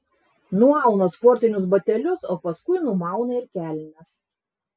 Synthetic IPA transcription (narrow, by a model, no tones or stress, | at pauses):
nʊɑˑʊnɐspɔːɾʲt̪ʲɪnʲʊs̬bɐt̪ʲɛlʲʊsoːpɐskʊɪnʊmɑˑʊnɐɪɾkʲæːlʲnʲɛs